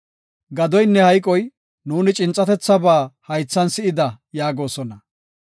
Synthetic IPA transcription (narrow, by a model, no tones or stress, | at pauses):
ɡɐd̪ɔjnːɛhɐjkʼɔj | nuːnɪt͡ʃʼɪnt͡sʼːɐt̪ɛt͡sːɐbaːhɐjt͡sːɐnsɪɪd̪ɐ | jaːɡo̞ːsɔnɐ